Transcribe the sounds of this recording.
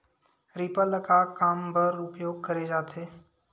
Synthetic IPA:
ɾipələkakaːmbəɾʊpjoːɡ̚kɐɾed͡ʒaːt̪ʰeː

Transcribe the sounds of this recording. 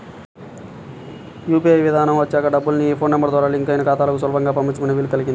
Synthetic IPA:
juːpijɐjʋid̪ʱaːnɐmʋɐt͡ʃːaːkɐɖɐbːulnipʰo̞ːnnɐmbɐɾd̪ʋaːɾaːliŋkɐjnɐkaːt̪aːlɐkusʋɐlɐbɐŋɡaːpɐmpiɲt͡ʃːukuneʋiːlːuk̪ɐliɡind̪i

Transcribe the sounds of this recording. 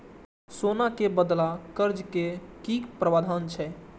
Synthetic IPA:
sonakebəd̪lakəɾd͡ʒkekikpɾəʋad̪ʱant͡ʃʰɛ

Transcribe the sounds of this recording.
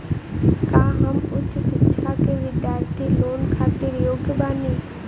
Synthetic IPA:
kaːɦəmʊtːʃʃɪkːʃʰakeʋɪd̪jaːɾt̪ʰiloːnkʰaːt̪iɾjoːɡʱjəbaːniː

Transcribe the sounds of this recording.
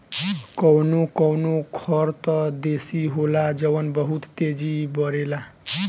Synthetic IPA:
kɔwnokɔwnokʰɔɾt̪ɔd̪esiɦolad͡ʒəʋənbəɦut̪t̪ed͡ʒibʌɾela

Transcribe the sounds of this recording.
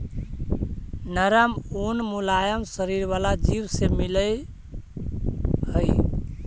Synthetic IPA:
nəɾəmunmulajəmsəɾiɾβalad͡ʒiwsemiləj | ɦəj

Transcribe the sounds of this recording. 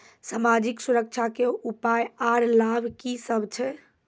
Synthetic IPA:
samad͡ʒiksuɾək̚t͡ʃʰakeupajaɾlabʱkisəbʱt͡ʃʰɛ

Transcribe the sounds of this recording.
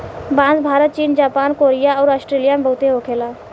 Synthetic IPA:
bãːnd͡zbʱaːɾət̪̚t͡ʃiːnd͡ʒaːpaːnkoːɾijaɔːɾɔsʈɾeːlijamebəɦʊt̪eɦoːkʰelaː

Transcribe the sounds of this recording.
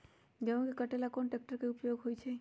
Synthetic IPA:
d͡ʒeũkekəʈelakonʈek̚ʈəɾkeupjoɡɦojt͡ʃʰe

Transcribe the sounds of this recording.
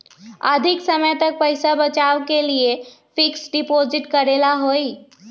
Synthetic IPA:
ə̰d̪ʱɪksəməjt̪ək̚pəjsabət͡ʃaːʋkelie | fɪksɖɪpoːzɪʈkəɾelaɦoːi

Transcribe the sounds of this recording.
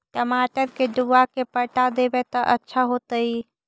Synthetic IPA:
ʈəmaːʈəɾked̪uakepəʈad̪ebet̪aʔətːʃʰaɦoːt̪aiː

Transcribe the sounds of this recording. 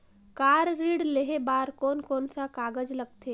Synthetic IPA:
kaːɾːiːɽleɦebaːɾkɔːnkɔːnsakaːɡəd͡ʒləɡ̚t̪ʰeː

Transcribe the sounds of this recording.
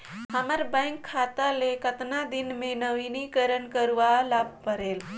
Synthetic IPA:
ɦəməɾbə̃ŋkʰːat̪alekət̪nad̪inmẽnəʋinikəɾənkəɾʋalab̚pəɾel

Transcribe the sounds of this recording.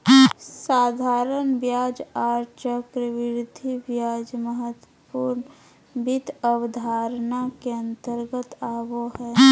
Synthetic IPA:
saːd̪ʱaːɾənbjaːd͡ʒaːɾt͡ʃəkɾəʋɪɾd̪ʱibjaːd͡ʒməɦət̪wəpuːɾn | bit̪ʰəwəd̪ʱaːɾnakeə̃nt̪əɾɡət̪aːboɦɛː

